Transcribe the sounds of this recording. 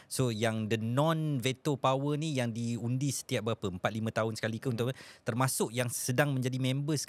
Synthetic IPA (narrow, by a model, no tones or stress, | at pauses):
sojaŋdənɔ̃nvet̪opawənijaŋdiundisə̥t̪iaʔ̚bəapəəmpat̪̚limə̃t̪aɦʊnsə̥kalikəunt̪ʊʔt̪ərmasʊʔjaŋsədaŋmə̃ɲd͡ʒadimɛ̃mbəs